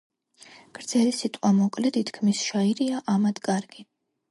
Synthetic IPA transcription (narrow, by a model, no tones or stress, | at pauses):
ɡ̥ɾd̪z̥ɛlisit̪ʼqʼwamɔkʼlɛd̪it̪ʰkʰmisʃaiɾiaʔamad̪kʼaɾɡi